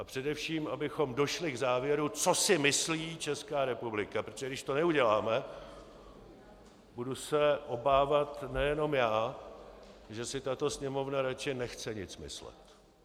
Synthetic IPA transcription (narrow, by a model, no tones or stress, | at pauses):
ʔapr̥ɛdɛfʃiːmʔabɪxo̞mdo̞ʃlɪɡzaːvjɛɾut͡so̞sɪmɪsliːt͡ʃɛskaːɾɛpublɪkapɾot̪ʒɛɡdɪʃt̪o̞nɛuɟɛlaːmɛ | budusɛʔo̞baːvat̪nɛjɛno̞mjaː | ʒɛsɪt̪at̪o̞sɲɛmo̞vnaɾat͡ʃɪnɛxt͡sɛɲɪt͡smɪ̰slɛ̰t̪